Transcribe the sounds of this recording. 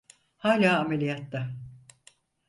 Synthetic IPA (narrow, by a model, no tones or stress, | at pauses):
haːlʲaːmelʲijat̪la